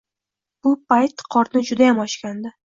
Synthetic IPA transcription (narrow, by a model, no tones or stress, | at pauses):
b̥ʊp̚ʰajt̪qʰɒɾnɪd͡ʒʊd̪ajamɒʃkʲand̪ɪ